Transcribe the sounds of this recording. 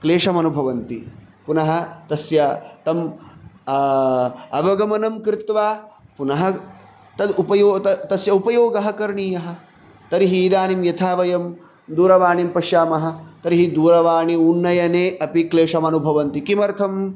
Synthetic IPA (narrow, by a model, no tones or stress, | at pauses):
kleːʂɐmɐnubʱɐʋɐnt̪ḭ | punɐɦɐ̆t̪ɐsjɐt̪ɐm | ɐʋɐɡɐmɐnɐmkɾɪt̪ʋaːpunɐɦɐ | t̪ɐd̪upɐjoːt̪ɐt̪ɐsjɐupɐjoːɡɐɦɐkɐɾɳiːjɐɦɐ̆ | t̪ɐɾiɦiiːd̪aːnimjɐt̪ʰaːʋɐjɐm | d̪uːɾɐʋaːɳimpɐʃjaːmɐɦɐ̆t̪ɐɾiɦid̪uːɾɐʋaːɳiunːɐjɐneːʔɐpikleːʂɐmɐnubʱɐʋɐnt̪ikimɐɾt̪ʰɐm